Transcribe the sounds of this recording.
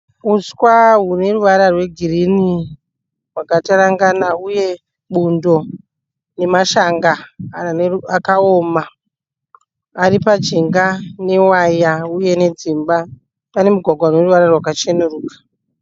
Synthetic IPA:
uskwaɦune̞ruʋaɾarwe̞ɡʱirini | wakataɾaŋɡanauje | ɓundo̞ | ne̞maʃaŋɡa | akaoːma | ɾipad͡ʒiŋɡane̞wajauje̞ne̞d͡zimba | pane̞muɡʱwaɡʱwarwe̞ruʋaɾarwakat͡ʃenuruːkḁ

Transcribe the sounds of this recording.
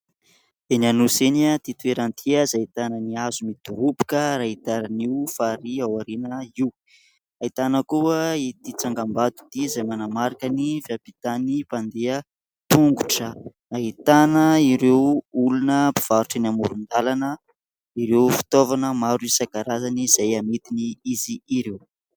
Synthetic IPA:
enanuseniat̪it̪ueɾant̪ʰiəzait̪anəniazumid̪uɾupi̥kəɾaɦit̪aɾaniwfaɾiawaɾinəiw | ait̪anəkuəit̪it͡saŋɡambad̪u̥d̪izajmanamaɾakənivjapit̪anipand̪eə | t̪uŋɡuʈ͡ʂə | ait̪anəiɾewulunəpi̥v̥aɾuʈ͡ʂanamuɾund̪alanə | iɾewfi̥t̪ovanəmaɾiisakaɾazaniz̥ajamet̪iniiziːɾew

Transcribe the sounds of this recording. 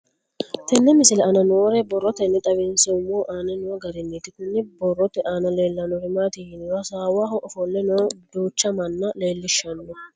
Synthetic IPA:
t̪ɛnːɛmɪsɪlɛɐnɐnoːɾɛbɔrːɔt̪ɛnːɛt̪ʼɐwɪnsɛʊmoːʔaːnɐnɔɡɐɾɪnːɛt̪ːɪkʊnːɪbɔrːɔt̪ɛʔaːnɐleːlːɐnɔɾɪmaːt̪ɪjɪnwɐsaːwaːɦɔʔɔfɔlːɛnɔd̪uːt͡ʃːɐmɐnːɐle̞ːlːɪʃːɐnːɔ

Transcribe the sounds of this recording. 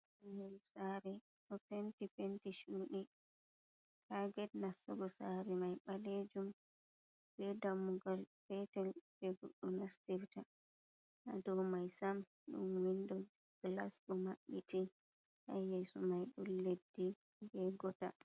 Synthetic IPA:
anhɛlsaɾɛ | ɗɔpentipentiʃuːɗi | kʰaɡɛtnasːɔɡɔsaɾɛmajɓaled͡ʒum | bɛdamːuɡalfɛtɛlbɛɡo̰ɗːunastiɾta | na̰dɔwmajsam | ɗṵnwindɔ | ɡ̥laskɔmaɓːiti | ʔa̰jɛsumajɗulledːi | bɛɡɔta̰

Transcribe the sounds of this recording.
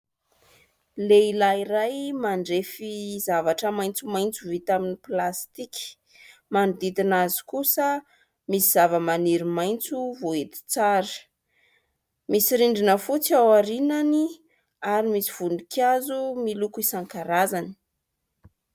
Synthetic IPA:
leilaiɾajmaɳɖ͡ʐefizavaʈ͡ʂəmajnt͡sumajnt͡suvit̪aminiplast̪iki̥ | mand̪id̪inazi̥kusə | misiz̥avəmaniɾimajnt͡suvoet̪i̥t͡saɾə | misiɾiɳɖ͡ʐinəfut͡siawaɾinani | aɾimisi̥v̥unikʰazumilukuisaŋkaɾazani̥

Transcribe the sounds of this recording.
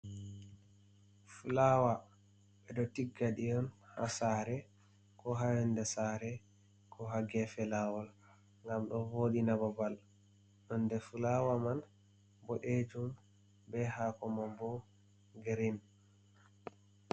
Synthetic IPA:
fulawa | ɓɛɗɔtiɡːaɗijɔnhasaɾɛ | kɔɦajɛndɛsaɾɛ | kʰɔɦaɡɛfɛlawɔl | ŋɡamɗɔvoɗinabɔbal | ɗɔndɛfulawaman | bɔɗed͡ʒum | bɛhakɔmambɔ | ɡeɾin

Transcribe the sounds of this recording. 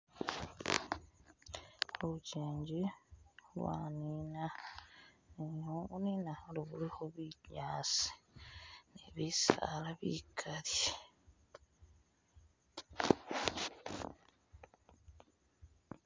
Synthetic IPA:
oβuceːɲɟi | wa̰ːnina | niouninahaliβulixoβiɲaːsi̥ | nḛβisa̰laβḭkʰalj

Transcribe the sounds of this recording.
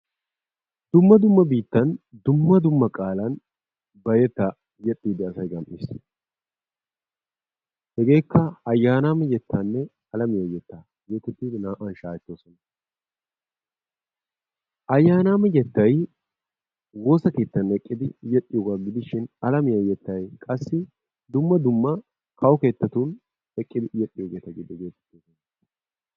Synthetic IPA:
d̪̥ʊmːɐd̪ʊmːɐbiːt̪ːɐnd̪ʊmːɐd̪ʊmːɐkʼaːlɐn | bɐjɛt̪ːɐ | jɛt̪ʼːiːd̪ɪɐsɐjɡɐmʔɪs | hɛɡe̞ːkːɐɐjːaːnaːmɛjɛt̪ʰːanːɛ | ɐlɐmɪjɐjɛt̪ːɐ | jɛt̪ɛt̪ːiːd̪ɪnaːʔɐnʃaːjɛt̪ːoːsɔnɐ | ʔɐjːaːnaːmɛjɛt̪ːɐj | wo̞ːsɐke̞ːt̪ːɐnɛkʼːɪd̪ɪjɛtʼːɪjoːɡaːɡɪd̪ɪʃɪnɐlɐmɪjɐjɛt̪ːɐjkʼɐsːɪ | d̪ʊmːɐd̪ʊmːɐ | kʰɐwke̞ːt̪ːɐt̪un | ɛkʼːɪd̪ɪjɛtʼːɪjoːɡeːt̪ɐɡɪd̪ɛɡeːt̪ɛ̥t̪ːoːsɔnɐ

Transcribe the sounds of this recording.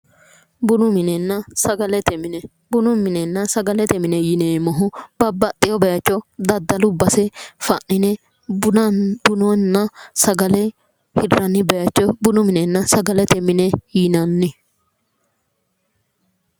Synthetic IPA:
bʊnʊmɪnɛnːɐsɐɡɐlɛt̪ɛmɪnɛ | bʊnʊmɪnɛnːɐsɐɡɐlɛt̪ɛmɪnɛjɪneːmɔɦʊb̥ɐbːɐt̪ʼːɪjɔbɛjɐt͡ʃːɔd̪ɐd̪ːɐlʊbɐsɛfɐʔnɪnɛ | b̥ʊnɔnːɐsɐɡɐlɛ | hɪrːɐnːɪbɛjɐt͡ʃːɔbʊnʊmɪnɛnːɐsɐɡɐlɛt̪ɛmɪnɛjinɐnːɪ

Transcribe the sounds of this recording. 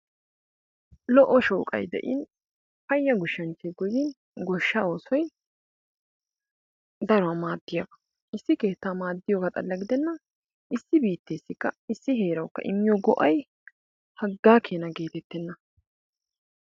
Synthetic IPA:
lɔʔɔʃoːkʼɐ̰jd̪ɛ̰ʔɪ̰n | fɐjːɐɡʊʃːɐnt͡ʃɛɡɔjɪn | ɡɔʃːao̞ːsɔj | d̪ɐɾɔwamaːd̪ːɪjabɐ̥ | ʔɪsːɪke̞ːt̪ːaːmaːd̪ːɪjɔːɡat̪ʼɐ̰lːɐɡɪd̪ɛnːɐ | ʔɪsːɪbiːt̪ːeːsːɪkːɐɪsːɪɦe̞ːɾɐwkːɐ̰ʔɪ̰mːɪjɔɡɔʔɐj | hɐɡːaːkʰeːnɐɡe̞ːt̪ɛt̪ːɛnːɐ

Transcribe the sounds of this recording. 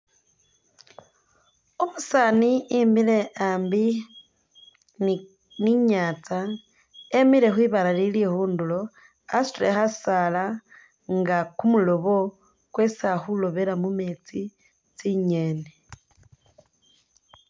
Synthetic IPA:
omusaniimbile̞aːmbi | n | niɲaːt͡sa | emiɾe̞xwiːβaɾalilihuːndulo̞ | a̰suɾexasala | ŋɡakumulo̞βo̞ | kwesaxulo̞βeɾamumeːt͡si | t͡siɲe̞ːne

